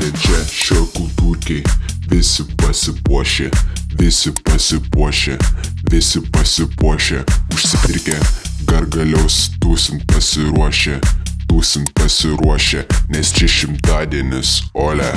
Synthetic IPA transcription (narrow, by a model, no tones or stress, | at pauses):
ɛnt͡ʃʲɛʃʲoːkʊt̪uːkʲɛɪʋʲɪsʲɪpɐsʲɪpuɔʃʲeʋʲɪsʲɪpɐsʲɪpuɔʃʲe | ʋʲɪsʲɪpɐsʲɪpuɔʃʲɛʊʃʲsʲɪpʲɪɾʲkʲɛɡɐɾɡɐlʲɛʊst̪uːsʲɪnt̪̚pɐsʲɪɾuɔʃʲet̪uːsʲɪnt̪pɐsʲɪɾuɔʃʲɛnʲɛst͡ʃʲɛʃʲɪmt̪ɑːd̪ʲiɛnʲɪsoːlʲɛ